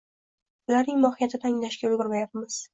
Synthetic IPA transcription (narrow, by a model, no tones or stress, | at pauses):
ʊlaɾnɪŋmɒhɪjat̪ʰɪd̪aːŋlaʃkʲaʊlɡʲʊɾmajapmɪz̥